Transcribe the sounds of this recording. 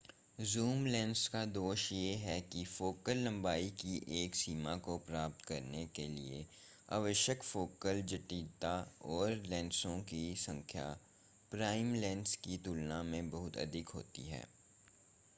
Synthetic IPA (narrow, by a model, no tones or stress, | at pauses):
zuːmlɛ̃ːnɖskad̪oːʃjeɦɛkifoːkəlːɐ̃mbaːikiʔeːksiːmakopɾaːp̚t̪kɐɾnekelḭe | a̰ːʋəʃjəkfoːkəld͡ʒɐʈiːt̪aɔːɾlɛ̃ːnsõkisɐ̃ŋkʰja̰ | pɾaːɪmlɛ̃ːnskit̪ʊlnamẽbɐɦʊt̪ɐ̰d̪ʱɪkɦo̰ːt̪ḭɦɛ̰ː